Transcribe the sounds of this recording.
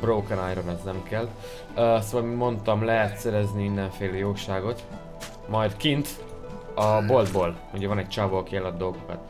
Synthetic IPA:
broːkɛnaːjɾomɛznɛmkɛlː | soːvɒlmimo̞nt̪ɒmlɛɦɛt̪sɛɾɛzniind̪ɛɱfeːlejoːʃaːɡo̞t̪ | mɒjd̪kint̪ | ɒbo̞ld̪boːl | uɟɛvɒnɛɟc̚t͡ʃaːbolkiɛlɒd̪ːo̞lɡokɒ̰t̪

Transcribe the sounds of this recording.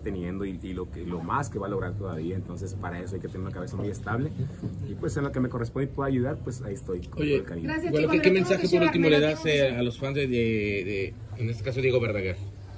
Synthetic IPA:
t̪e̞nje̞nd̪oiilokelo̞maske̞βaloɣɾaɾt̪o̞ða̰βiaent̪o̞nse̞spaɾae̞soajkeeneɾunakaβe̞samuje̞st̪aβle̞ipwe̞senlokeme̞ko̞respond̪ipwe̞ðoaʝuðaɾpwesaiest̪ojkoojeelkalĩwenokemensaxepoɾult̪imoleðasealo̞sfanzeeðe | enest̪ekasoðje̞ɣo̞βeɾðaɣaɾ

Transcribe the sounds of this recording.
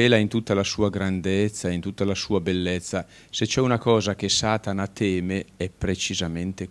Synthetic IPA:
eːlaint̪ut̪ːalasuːaɡɾand̪et̪sːaeint̪ut̪ːalasuːabelːet̪sːa | set͡ʃːɛunakɔːzak̟esaːt̪anat̪ʰɛːmeɛpːɾet͡ʃizament̪e

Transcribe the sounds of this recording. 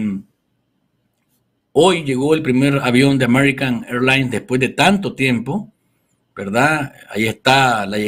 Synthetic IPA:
ojʝeɣoelpɾimeɾaβjond̪eameɾikaŋeɾlajnsd̪espwezðet̪ant̪ot̪jempo | b̥eɾðaa̰jiest̪alae

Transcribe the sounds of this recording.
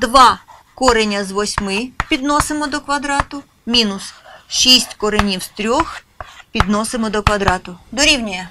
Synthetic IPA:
d̪ʋɑkɔɾenʲɐzʋɔsʲmɪpʲid̪nɔsemɔd̪ɔkʋɐd̪ɾɑt̪ʊ | mʲinʊsʃisʲtʲkɔɾenʲiwst̪ɾʲɔx | pʲid̪nɔsemɔd̪ɔkʋɐd̪ɾɑt̪ʊd̪ɔɾʲiwnʲɐjɐ

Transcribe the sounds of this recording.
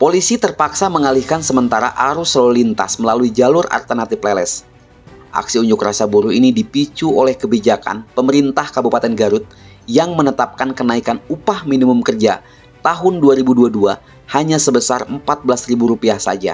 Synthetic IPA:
polisit̪ərpaksaməŋalihkansəmənt̪aɾa̰ʔaɾʊslolint̪a̰sməlaluid͡ʒalʊra̰rt̪ənat̪iplelɛs | ʔa̰ksiuɲd͡ʒʊkrasabuɾuinidipit͡ʃuolɛhkəbid͡ʒaka̰npəməɾint̪ahkabupat̪ɛnɡaɾʊt̪̚ | jaŋmənət̪ap̚kankənaikanupahminimʊmkərd͡ʒa̰ | t̪aɦʊnduaɾibuduadua | haɲasəbəsarəmpat̪̚bəlasribuɾupiahsa̰d͡ʒa̰

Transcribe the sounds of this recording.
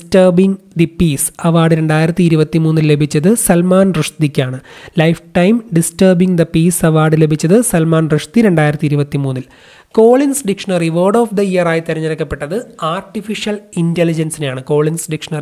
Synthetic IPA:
stɐrbiŋd̪ipiːsɐʋaːɖɨɾe̞ɳɖaːjiɾɐt̪ːiiɾubɐt̪ːimuːnːille̞bʱit͡ɕːɐðɨsɐlmaːnrɨʂt̪ikʲːaːɳɨlɐjfʈɐjmɖistɐːrbiŋd̪ɐpiːsɐʋaːɖɨle̞bʱit͡ɕːɐðɨsɐlmaːnrɨʂt̪iɾe̞ɳɖaːjiɾɐt̪ːiɾubɐt̪ːimuːnːil | ko̞ːɭinsɖikʂɐnɐriʋoːrɖoːfd̪ɐijɐraːjt̪iɾɐɲːɐɾɐkːɐpːe̞ʈːɐðɨaːrʈːifiʂjɐlintelid͡ʑɐnsinjaːɳɨko̞ːɭinsɖikʂɐnɐr

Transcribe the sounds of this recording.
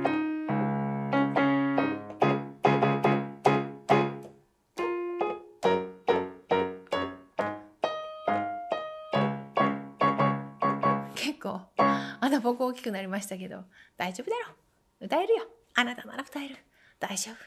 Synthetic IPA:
kʰe̞kːo̞ːanobo̞kɯ̟oːkʲi̥kɯ̟naɾʲimaɕi̥t̪ak̬e̞d̪o̞̰d̪̥aiʑo̞ːbɯ̟d̪aɾo | ɯ̟t̪aeɾɯ̟jo | anat̪ana̰ɾaɯ̟t̪aeɾɯ̟ | d̪̥aiʑoːb̥ɯ̟̥

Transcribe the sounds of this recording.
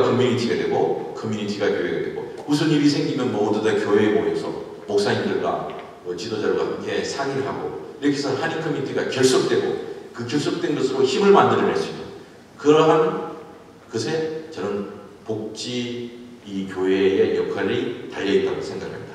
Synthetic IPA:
kʰʌmjunitʰiɡadwe̞ɡokʰʌmjunitʰiɡakjoeɡadwe̞ɡo | usʰʌniɾis̬ʰe̞ŋɡinɯnmodudakjoɦebojosʰʌ̰ | mok̚s͈aɲindɯɭɡwa̰ | mʌt͡ɕidod͡ʑaɾɡwakɯkʰesʰaŋiɾɭɦaɡo̰iɾʌkʰesʰʌhaninkʰʌmjunitʰiɡakjʌɭs͈ok̚t͈we̞ɡo̰kɯkjʌɭs̬͈ok̚t͈we̞nɡʌsʰɯɾoçimɯɭmandɯɾɾɦeɭs͈uimʌn | kɯɾʌɦan | kɯsʰe̞t͡ɕʌnɯnpok̚t͡ɕ͈iː | kjoɦeːjʌkʰaɾitaʎːʌit͈̚aɡosʰeŋɡakɯɾʰa̰mɲid̥a

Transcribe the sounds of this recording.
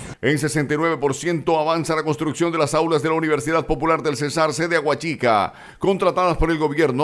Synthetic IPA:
ens̬esent̪ajnwe̞βe̞po̞ɾsje̞nt̪o̞aβansalako̞nst̪ɾuksjo̞nd̪elasawlazðelauniβ̞eɾsiðað̚po̞pulaɾðe̞lsesaɾseðeaɣwat͡ʃika̰ | ko̞nt̪ɾat̪aðaspo̞ɾe̞lɡo̞βjeɾno

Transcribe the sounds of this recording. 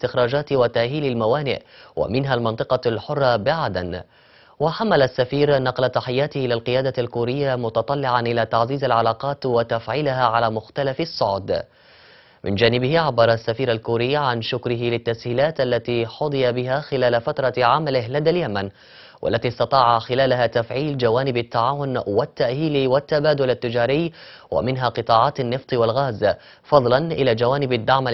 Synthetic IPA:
st̪ɪxɾɑːd͡ʒaːt̪wat̪aʔhiːlalmawaːnɪ̰ʔwʔa̰mɪnɦalmɑnt̪ˤɨqɑlħʊrˤːɑbɪʕad̪an | waħamːalasːafiːɾnɑqlat̪aħɪjːaːt̪ɪhɪlalqɨjaːd̪alkuːɾɪjːamʊt̪ɑt̪ˤɑlːɪʕaʔɪlaːt̪aʕziːzalʕalaːqɑːt̪wat̪afʕiːlɪɦaʕalaːmʊxt̪alafɪsˤːʊʕd̪ | mɪ̰nd͡ʒaːnɪbɪhɪʕabːɑɾˤɑsːafiːɾalkuːɾɪjːʕanʃʊkɾɪɦɪlɪt̪ːashiːlaːt̪ʔalːat̪iːħʊd̪ˤɨjabɪɦaːxɪlaːlafat̪ɾˤɑʕamalɪɦlad̪aljaman | wʔa̰lːat̪isˤt̪ɑt̪ˤɑːʕaxɪlaːlaɦat̪afʕiːld͡ʒawaːnɪbat̪ːaʕaːwʊnwat̪ːaʔhiːlwat̪ːabaːd̪ʊlat̪ːɪd͡ʒaːɾɪjː | wa̰mɪnɦaːqɨt̪ˤɑːʕɑːt̪anːɨft̪ˤiwalɣaːz | fɑd̪ˤlɑnʔɪlaːd͡ʒawaːnɪbad̪ːaʕma

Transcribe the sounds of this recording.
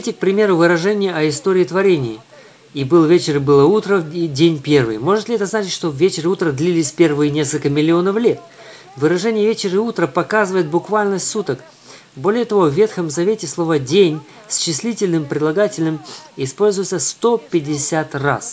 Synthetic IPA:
tʲɪk̚pɾʲɪmʲe̞ɾʊvɨɾɐʐɛnʲɪjɪʔɐɪst̪oɾʲɪːt̪vɐɾʲenʲɪjɪ | ibɨlˠvʲet͡ɕɪɾɨbɨlˠəut̪ɾədʲenʲpʲe̞rvɨ̰jmo̞ʐɨt̪lʲɪɛt̪əznat͡ɕɪtʲʂt̪o̞vʲet͡ɕɪɾɨut̪ɾəd̪lʲilʲɪsʲpʲe̞rvɨjənʲe̞skəlʲkəmʲɪlʲɪo̞nəflʲe̞t̪ | vɨɾɐʐɛnʲɪjəvʲet͡ɕɪɾɨut̪ɾəpɐkazɨvəjɪt̪̚bʊkvalʲnəsut̪ək | bo̞lʲɪjət̪ɐvo̞vːʲe̞t̪xəmzɐvʲetʲɪslˠo̞vədʲenʲ | sʲɕːɪsʲlʲitʲɪlʲnɨmpɾʲɪd̪lˠɐɡatʲɪlʲnɨmɪspo̞lʲzʊjɪt̪səst̪o̞pʲɪdʲɪsʲat̪ra̰s

